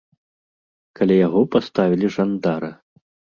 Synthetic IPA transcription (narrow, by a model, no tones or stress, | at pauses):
kalʲajaɣɔpast̪avʲilʲiʐand̪aɾɨ